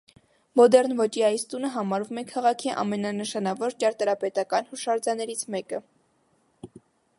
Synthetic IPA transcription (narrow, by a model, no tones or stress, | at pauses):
mɔd̪ɛɾnvɔt͡ʃʰiɑjst̪unəɦɑmɑɾvumɛkʰɑʁɑkʰiʔɑ̰mɛnɑnəʃɑnɑvɔɾt͡ʃɑɾt̪ɑɾɑpɛt̪ɑkɑnhuʃɑɾd͡zɑnɛɾit͡sʰmɛkə